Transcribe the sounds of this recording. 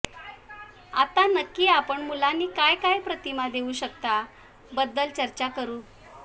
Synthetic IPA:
a̰t̪anəkːiːapəɳmulanːiːkajkajpɾət̪imad̪euɕək̚t̪a | bəd̪ːəlt͡ɕəɾt͡ɕakəɾuː

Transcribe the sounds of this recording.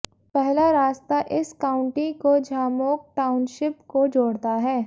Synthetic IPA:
pɛɦlaɾaːst̪aʔɪskaːʊ̃ɳʈikod͡ʒʱaːmoːk̚ʈaːʊnʃɪpkod͡ʒoːɽt̪aɦɛː

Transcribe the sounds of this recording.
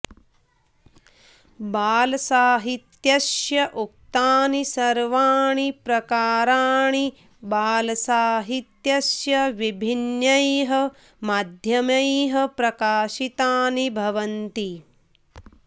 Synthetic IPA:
baːlɐsaːɦit̪jɐʃjɐʔuk̚t̪aːnisɐɾʋaːɳipɾɐkaːɾaːɳi | baːlɐsaːɦit̪jɐsjɐʋibʱinjɐjɦɐ̆ | maːd̪ʱjɐmɐjɦɐ̆pɾɐkaːʃit̪aːnibʱɐʋɐnt̪i

